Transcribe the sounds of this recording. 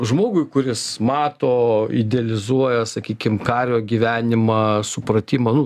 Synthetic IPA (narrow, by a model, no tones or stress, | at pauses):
ʒmoːɡʊɪkʊɾʲɪsmɑːt̪oːɪ̰d̪ʲɛɐlʲɪzuɔjɛsɐkʲiːkʲɪmkɑːɾʲoːɡʲiʋʲæːnʲɪmɑsʊpɾɐt̪ʲiːmɐnʊ